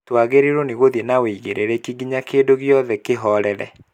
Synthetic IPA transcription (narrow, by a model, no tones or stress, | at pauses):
twaɣeɾeɾoneɣoðjenaweiɣeɾʔeɾɛkiɡiɲakeːdoɣjɔðɛkeɦɔɾɛɾɛ̰